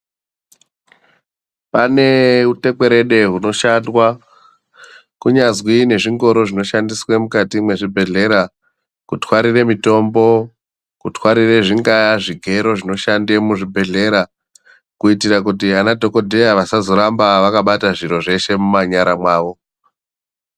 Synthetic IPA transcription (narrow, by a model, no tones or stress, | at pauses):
pane̞ute̞ke̞ɾe̞ɗe̞ɦuno̞ʃandwa | kuɲazwine̞ʐiŋɡo̞ɾo̞ʐino̞ʃandiswemukatimwe̞ʐibʱe̞ɮe̞ɾa | kutʰwaɾire̞mito̞mbo̞ | kutwaɾire̞ʐiŋɡajaʐiɡʱe̞ɾo̞ʐino̞ʃandemuʐibʱe̞ɮe̞ɾa | kuitiɾakutianadʱo̞ko̞dʱe̞jaʋasazo̞ɾambaʋakaɓataʐiɾo̞ʐe̞ʃe̞mumaɲaɾamwaːʋo̞